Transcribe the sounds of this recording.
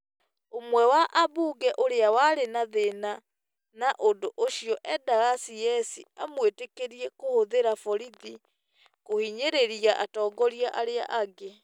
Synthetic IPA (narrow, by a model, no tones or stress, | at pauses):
omwɛwaʔabuːɡɛʔoɾeawaɾenaðena | naʔondoʔoɕijɔʔɛdaɣasijɛsiamwetekeɾiɛkohoðeɾafɔɾiði | kohiɲeɾeɾiaʔa̰tɔːɡɔɾiaʔaɾea̰ʔaɡe